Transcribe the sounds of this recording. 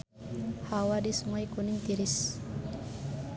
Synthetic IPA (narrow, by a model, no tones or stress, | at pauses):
hawadisəmajkunɪŋt̪iɾis